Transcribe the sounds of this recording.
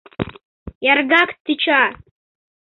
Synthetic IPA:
jarɡakʰt̪ʰːɨt͡ʃʰa

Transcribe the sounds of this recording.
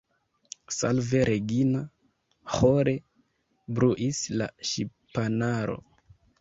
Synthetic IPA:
salve̞ɾʔeɡina | hoɾe̞ | bɾuʔisla̰ʃipanaɾo̞̰

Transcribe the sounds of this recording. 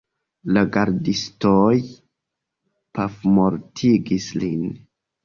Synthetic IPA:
laɡaɾdistoj | pafmoɾtʰiɡislin

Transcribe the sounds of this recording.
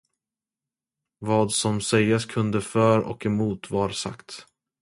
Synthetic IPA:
vɑːd̪sɔmsɛjːaskʰɵnd̪əfœɾɔ̰kɛmuːt̪vaɾsa̰kt̪

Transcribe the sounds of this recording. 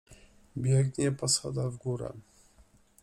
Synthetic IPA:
bʲjɛɡɲɛpɔsad̪avɡuɾɛ̰

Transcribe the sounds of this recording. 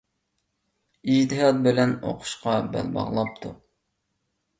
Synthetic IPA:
id͡ʒt̪ɨɦɑt̪̚bɪlɛno̰qʰʊ̥ʃqɑbɛ̰lbɑ̰ʁlˠɑp̚t̪ʰu

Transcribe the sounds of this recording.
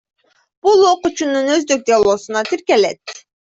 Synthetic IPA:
b̥ulˠo̞qut͡ʃununøzd̪øk̚d̪ʲealˠoːsunɑt̪iɾkelet̪̚

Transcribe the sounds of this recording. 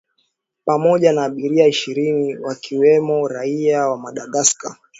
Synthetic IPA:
pamɔʄanaːɓiɾiaiʃiɾiniwakʰiwɛmɔɾaiawamaɗaɠaska

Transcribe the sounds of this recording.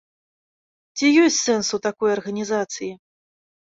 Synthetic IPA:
t͡sʲijɔsʲt͡sʲsɛnsut̪akɔjɐrɣɐnʲizat̪sɨji

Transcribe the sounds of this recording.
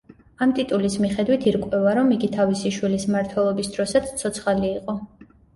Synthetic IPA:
amt̪ʼit̪ʼulismiχɛd̪wit̪ʰiɾkʼwɛvaɾɔmiɡit̪ʰavisiʃwilismaɾt̪ʰwɛlˠɔbisd̪ɾɔsat̪sʰt̪sʰɔt̪sʰχaliːqʼɔ

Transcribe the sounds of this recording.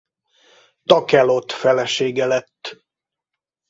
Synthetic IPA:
t̪ɒkɛlot̪fɛlɛʃeːɡɛlɛt̪ː

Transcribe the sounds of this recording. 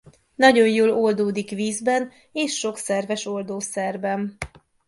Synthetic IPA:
nɒɟo̞njoːlold̪oːd̪ikviːzbɛn | eːʃːo̞ksɛrvɛʃo̞ld̪oːsɛrbɛn

